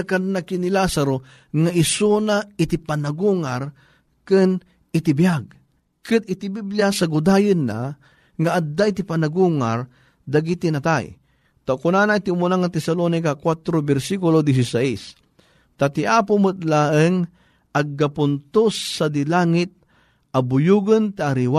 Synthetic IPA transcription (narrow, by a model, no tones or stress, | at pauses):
akanːakinilasaɾo | ŋaʔɪsunait̪ipanaɡuŋaɾ | kɨn | ɪt̪ɪbijaɡ̚ | kɨd̪ɪt̪ibibljasaɡʊd̪ajɨnːa̰ | ŋaʔad̪aʔit̪ipanaɡuŋaɾ | d̪aɡit̪inat̪aj | t̪akʊnanait̪iʊmunaŋːat̪ɛsalonikakwat̪ɾobɛɾsikʊlod̪isisais | t̪at̪iʔapʊmɨt̪̚laʔəŋ | ʔaɡ̚ːapʊnt̪ʊsːad̪ilaŋɪt̪̚ | ʔabʊjuɡənt̪iʔaɾiwa